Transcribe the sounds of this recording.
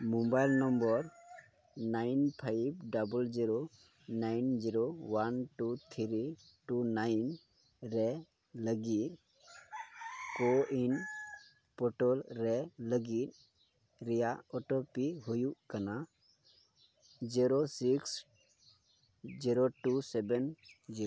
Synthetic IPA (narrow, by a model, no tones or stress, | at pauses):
mumbajlnɔmbɔɾ | najnpʰajbɖabəld͡ʒiɾo | najnd͡ʒiɾowanʈut̪ʰiɾiʈunajn | ɾɛ | ləɡit | koin | pɔʈɔlɾɛləɡit | ɾijaɔʈopiɦujuʔkəna | d͡ʒiɾosiks | d͡ʒiɾoʈusɛbɛnd͡ʒiɾo